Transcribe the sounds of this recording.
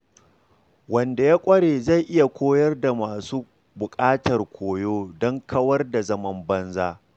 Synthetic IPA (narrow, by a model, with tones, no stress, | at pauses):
wɐ˨nda˨jaː˦kʷʼɐ˦ɽeː˨za˦˨jʔɪ˦ja˨kʷoː˦jɐ˦rda˨maː˨suː˦ | bʊ˨kʼaː˦tɐ˨rkʷʰoː˨joː˦dɔ˦ŋkʰɐ˦wɐ˦rda˨zɐ˦mɐ˦mbɐ˦nzaː˦